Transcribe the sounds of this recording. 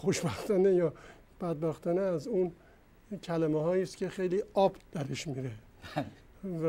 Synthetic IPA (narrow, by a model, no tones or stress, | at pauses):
xoʃbæxt̪ʰɒnejɒː | b̥æd̪̚bæxt̪ʰɒːneæzun | cʲʰælæmehɒːjiːst̪kʲʰe̞xejliːɒːbd̪̥æɾeʃmiɾe | v